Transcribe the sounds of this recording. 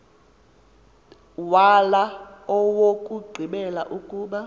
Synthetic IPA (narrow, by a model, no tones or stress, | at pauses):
walaɔwokʼuɡ͡ǀʱiɓɛlaʔukʼuːɓa